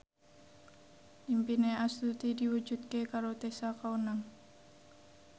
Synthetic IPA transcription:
ʔimpineast̪ut̪idiwud͡ʒut̪̚kekaɾot̪esakaunaŋ

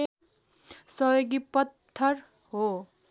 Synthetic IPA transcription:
sʌjoɡipʌt̪ʰːʌr | ɦo

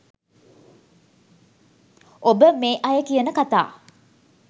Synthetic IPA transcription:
ʔobəmeːʔɐjəkijənəkat̪a̰ː

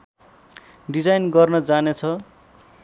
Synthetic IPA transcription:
ɖid͡zajnɡʌrnʌd͡zanet͡sʰʌ

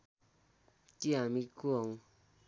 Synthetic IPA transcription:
t̪iamikuoŋ

